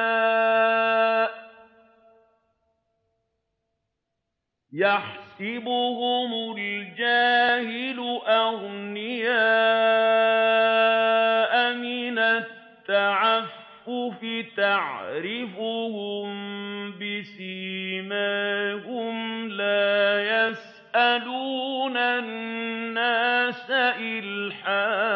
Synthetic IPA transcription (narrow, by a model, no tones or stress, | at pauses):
jaħsɪbʊhʊmʊld͡ʒaːhɪlʊʔaɣnɪjaː | ʔamɪnat̪ːaʕafːʊfɪt̪aʕɾɪfʊhʊmbɪsimahʊmlaːjas | ʔaluːnanːaːsaʔɪlħaː